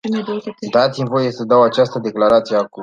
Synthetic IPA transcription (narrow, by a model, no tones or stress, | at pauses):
d̪at̪simvo̞je̞səd̪awat͡ʃast̪əd̪e̞klaɾat̪sijeaku